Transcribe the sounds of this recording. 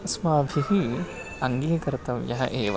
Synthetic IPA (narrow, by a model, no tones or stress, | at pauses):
smaːbʱiɦi | ɐŋɡiːkɐɾɐt̪ɐʋjɐɦɐ̰ʔeːʋ